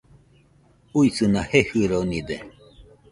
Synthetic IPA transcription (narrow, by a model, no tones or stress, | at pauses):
uisɨnahehɨɾonĩd̪e